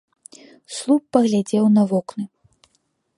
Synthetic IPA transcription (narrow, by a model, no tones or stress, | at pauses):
slˠupːɐɣlʲad͡zʲɛwnɐvɔknɨ